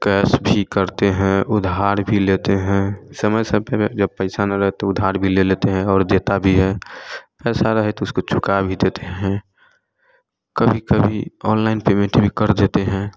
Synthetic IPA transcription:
kɛːsbʱikəɾt̪eɦɛ̃ʔʊd̪ʱɦaːɾbʱilet̪eɦɛ̃səməjsə̃ped͡ʒəb̚pɛɪsanaɾəɦɛt̪oʊd̪ʱaːɾbʱilelet̪eɦɛ̃ɔːɾd̪eːt̪abʱiɦɛpɛːsaɾəɦɛt̪oʊskot͡ʃʰʊkabʱid̪eːt̪eɦɛ̃ | kəbʱikəbʱiɔːnlaɪnpeːmẽɳʈbʱikəɾd̪eːt̪eɦɛ̃

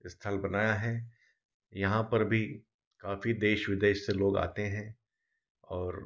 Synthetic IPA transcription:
ɪst̪ʰəlbɐnaːjaɦɛ | jɐɦãpɐɾbʱi | kaːfid̪eːʃʋɪd̪eːʃseloːɡa̰ːt̪eɦɛ̃ | ɔːɾ

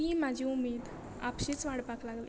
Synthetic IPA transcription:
iːmad͡ʑʱiːumed̪ | a̰pɕit͡sʋaɽpaklaɡlḭː

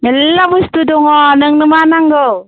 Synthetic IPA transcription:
nɯlːabustudɔŋɔnɯŋnɯmanaŋɡɯw

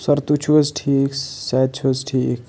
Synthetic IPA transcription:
sɐɾt̪ut͡ʃʰuəzʈʰiksad̪̚t͡ʃʰuəzʈʰikʰ

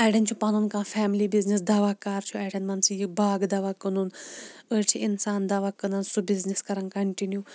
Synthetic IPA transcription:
ɛːɖɐnt͡ʃʰupɐnunkãːfɛːmlibiznisd̪aʋaːkaːɾt͡ʃʰuɛɽɐnmɐnsʰijibaːɡd̪ɐʋakənunət͡ʃʰiʔɪnsaːnd̪aʋakənɐnsubizniskɐɾɐnkɐɳʈinju

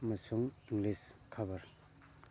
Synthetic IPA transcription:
mɐsuŋiŋɡliskʰabɐɾ

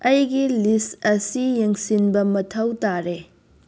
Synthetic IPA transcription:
ɐjɡilistɐsijeŋsinbɐmɐtʰɐwtaɾe

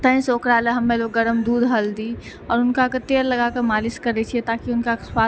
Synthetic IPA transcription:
t̪ə̃ĩsoːkɾaleɦɐmːeloːɡːəɾəmd̪uːd̪ʱɦɐld̪i | ɔːɾʊnkakət̪eːɾlɐɡakəɾmaːlɪskɐɾet͡ʃʰiet̪aːkiʊnkaswa

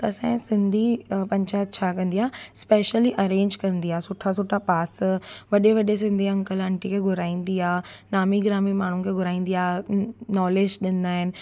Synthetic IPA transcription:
t̪ɐɐsãːɪ̃sɪ̃nd̪ʱipɐ̃ɲt͡ɕaːt̪̚t͡ɕʰaːkɐ̃nd̪iaːɦspeːʃəliʔɐɾẽːɲd͡ʑkɐ̃nd̪iaːɦesʊʈʰːas̬ʊʈʰapaːsʋɐɗeʋɐɗes̬ɪ̃nd̪ʱiɐ̃ŋkəlɐ̃ɳʈikʰeːɡʱʊɾaːĩːn̆d̪iaːɦnaːmiɡɪɾaːmimaːɳ̤ukʰeːɡʱʊɾaːĩːn̆d̪iaːnɔːleːd͡ʑɗɪnd̪aːɦɪnɪ̆

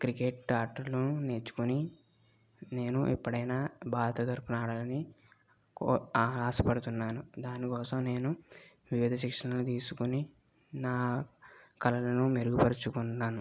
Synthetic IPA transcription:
kɾikeːʈ̚t͡ʃaːɾʈːɐɾluune̞ːt͡ʃu̥kuni | ne̞ːnuʔḭpːɐɽɐjnaːbʱaːɾɐt̪ɐt̪ɐɾkunaːɽɐlɐni | kːaːsɐpɐɽut̪unːaːnud̪aːnikɔːsɐmne̞ːnu | ʋiʋid̪ʱɐʃikʂɐnɐlut̪̬iːsukuni | naː | kɐlɐlɐnumeɾuɡupɐɾt͡ʃukunːaːnu

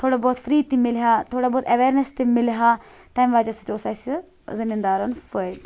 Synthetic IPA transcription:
t̪ʰoːɽaːbɔːt̪fʰəɾiːd̪̚t̪ːimɪlɦaːt̪ʰoːɽaːbɔːt̪ɛʋeːɾnəst̪emɪlɦaːt̪aːjmʋaːd͡ʒasut̪eosaːs | zɪmiːnd̪aːɾənfəd̪

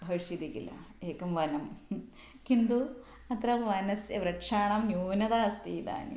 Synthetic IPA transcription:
bʱɐʋʂid̪ikḭlɐ̰eːkːɐmʋɐnɐm | kind̪u | ɐt̪ɾɐʋɐnɐsjɐʋɾɐkʂaːɳɐmnjuːnɐd̪aːst̪iːd̪a̰ːnḭ

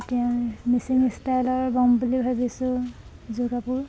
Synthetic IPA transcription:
tɛãmisiŋistajlɔɹbɔmbulibʱabisʊ̃ | zuɡapʊɹ

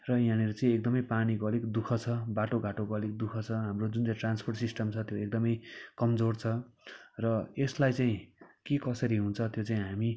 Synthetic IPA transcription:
rʌjãñeɾut͡saĩek̚d̪ʌmʌjpanikoʌlekd̪ukʰʌt͡sʰʌbaʈoɡaʈokoʌlek̚d̪ukʰʌt͡sʰʌɦamrod͡zunt͡saĩʈranspʰorʈsisʈʌmt͡sʰʌt̪joek̚d̪ʌmʌjkʌmd͡zort͡sʰʌrʌeslajt͡saĩkekʌsʌɾiɦũnt͡sʰʌt̪jot͡saĩɦami

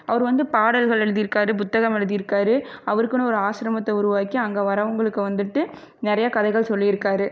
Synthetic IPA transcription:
ɐʋɐɾɯʋɐnd̪ɯpaːɽɐlɣɐɭɛɻɯðɪjɪɾɯkːaːɾɯp̬ʊt̪ːɐɣɐmɛɻɯðɪjɪɾɯkːaːɾɯɐʋɐɾkːɯñɔɾɯaːʃɪɾɐmɐt̪ːɐʊɾʊʋaːkiɐŋɡeːʋɐɾɐʋɐŋɡɐɭɯkːɯʋɐnd̪ɯʈːɯ | nɪɾɐjɐkɐðɐɪɣɐɭsɔlːijɪɾɯkːaːɾɯ

